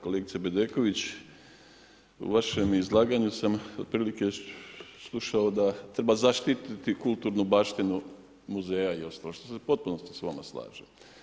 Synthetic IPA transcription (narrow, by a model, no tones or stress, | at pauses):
ko̞leːɡit̪sebed̪eːko̞ʋit͡ɕ | ṵʋaʃemizlˠaːɡaɲusamo̞d̪̚pɾiːlike̞ | slˠuʃao̞d̪at̪ɾe̞bazaʃt̪it̪it̪ikult̪uːɾnubaːʃt̪inu | muzeːjaio̞st̪aloʃt̪osepo̞t̪̚puno̞st̪i̥sʋama̰sla̰ːʒe